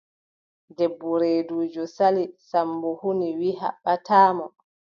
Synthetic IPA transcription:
dɛbːɔɾeːduːd͡ʒɔsalisambɔhuniwiɦa̰ɓːatʰaːmɔ

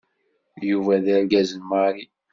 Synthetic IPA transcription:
juvæðæɾɡæzənməɾi

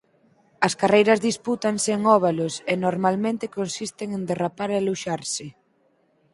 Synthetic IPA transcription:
ɐskarejɾɐzðisput̪aŋseːŋɔβ̞alosenoɾmalmẽnt̪ɪkonsist̪eŋend̪erapaɾeluʃaɾsɪ

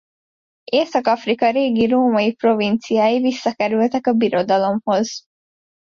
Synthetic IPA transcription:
ʔeːsɐkɐfɾikɐɾeːɡiɾuːmɐipɾoʋinsiaiʋisːɐkɐɾuʋɐt̪ɐkɐbiɾod̪ɐlomhoz

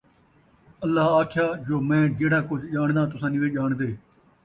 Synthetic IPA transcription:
əlːaːaːkʰjaːd͡ʒoːmɛ̃ːd͡ʒeːɽaːkʊt͡ʃd͡ʒaːɳd̪ãːt̪ʊsãːniʋeːd͡ʒaːɳd̪eː

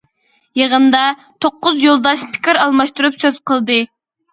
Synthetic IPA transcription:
jeʁənd̪ɑ | t̪ʰoqːʊzjolˠd̪ɑʃpʰɪ̥kʲiɾɑlˠmɑʃt̪uɾupsøz̥qʰəlˠd̪ɨ

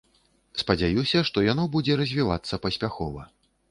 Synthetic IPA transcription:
spɐd͡zʲajusʲɐʂt̪ɔjanɔbud͡zʲɛɾɐzʲvʲiva̰t̪sːɐpɐsʲpʲaxɔvɐ

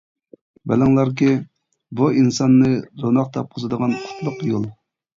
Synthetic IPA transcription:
bɛlæŋlˠɑɾk̬ʲi | buinsɑnːɨɾonɑqt̪ʰɑp̚qʰozɨd̪əʁɑnqʰʊ̥t̪ʰlˠʊqjolˠ

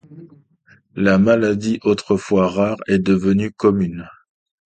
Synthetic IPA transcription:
lamalad̪iʔot̪χəfwaʁaʁɛd̪əvənykɔmyn

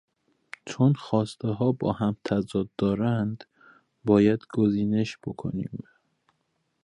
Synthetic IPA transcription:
t͡ʃʰonxɒːst̪eɦɒːbɒ̰ːhæmt̪ʰæzɒːd̪̚ːɒːɾænd̪ | bɒːjæd̪ɡoziːne̞ʃb̥okʰo̰nḭːm

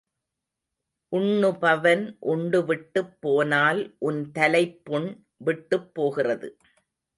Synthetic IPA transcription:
ʔʊɳːɯpɐʋɐnʔʊɳɖɯʋɪʈːɯpːoːnaːlʔʊnt̪ɐlɐɪpːʊɳ | ʋɪʈːɯpːoːɣɪrɐðɯ̰

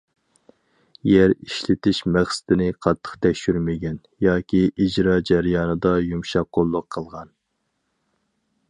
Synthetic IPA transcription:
jɛɾiʃlɪt̪ɪʃmæχsɪ̥d̪ɪnɪqʰɑt̪ʰːə̥χt̪ʰɛkʲʃyɾmɪɡʲɛn | jɑːkʲʰiʔid͡ʒɾɑːd͡ʒæɾjɑːnɨd̪ɑjumʃɑkqːolˠːʊqʰːəlˠʁɑn

